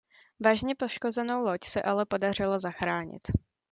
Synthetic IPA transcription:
vaːʒɲɛpo̞ʃko̞zɛno̞wlo̞csɛʔalɛpo̞dar̝ɪlazaxɾaːɲɪ̰t̪

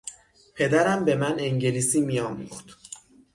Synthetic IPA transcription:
pʰe̞d̪æɾæmbe̞mæne̞ŋɟe̞liːsiːmijɒːmṵχt̪

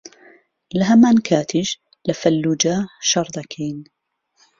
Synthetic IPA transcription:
laɦamankʰaːt̪ʰɪd͡ʒ | lafalːuːd͡ʒaʃɑɾˤd̪ˤakʰeːn

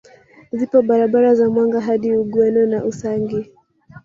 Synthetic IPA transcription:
zipɔɓaɾaɓaɾazamwaŋɡaɦaɗiuɠwɛnɔnaʔusaŋɡi

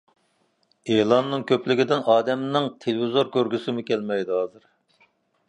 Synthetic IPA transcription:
eːlˠɑnːɨŋkʲʰøplɪɡʲid̪ɪnɑːd̪ɛmnɪŋt̪ʰelɪvizoɾkʲøɾɡʲysɪmʊkʲælmɛjd̪ɪɦɑːzɨɾ

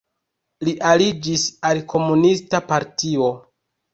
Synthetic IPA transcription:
liʔalid͡ʒisalkʰo̞munistapaɾtio̞

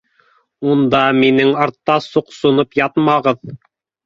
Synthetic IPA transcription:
und̪ɑminɘŋɑɾt̪ːɑsuqsŏnɤpjɑt̪mɑʁɤð

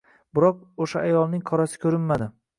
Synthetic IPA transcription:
bɪɾɒq̚oʃaajɒlˠnɪŋqʰɒɾasɪ̥kʲʰɵɾɪnmad̪ɪ

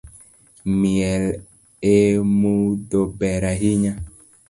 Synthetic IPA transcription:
miɛl | emudobɛɾaɦiɲa

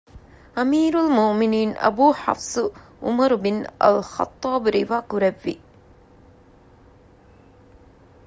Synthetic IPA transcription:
ɐmiːɾulmoʔminiːnɐ̰buːħa̰fsuʔumɐɾbinɐ̰lxɑ̰t̪ˤːɑːbɾiʋaːkuɾɛʋːḭ

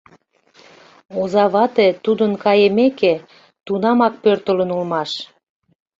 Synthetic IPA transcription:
ozɑβɑt̪et̪ud̪ənkɑjemeke | t̪unɑmɑk̚pørt̪ə̆lə̆nulmɑʃ

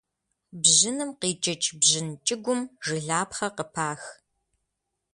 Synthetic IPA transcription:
bʑɪnɨmqiːt͡ʃʼɐt͡ʃʼbʑɪnt͡ʃʼɪɡʷʊmʒɨɮaːpχɐqəpʰaːx

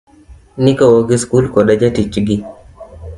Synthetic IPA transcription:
nikawoɡiskulkɔɗad͡ʒatit͡ʃɡi

